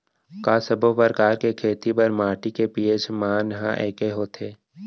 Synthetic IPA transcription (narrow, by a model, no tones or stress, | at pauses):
kaːsəbʱopəɾkaːɾkekʰeːt̪ipɐɾmaːʈikepijed͡ʒmaːnɦã̰ʔɛ̰ːkeɦoːt̪ʰeː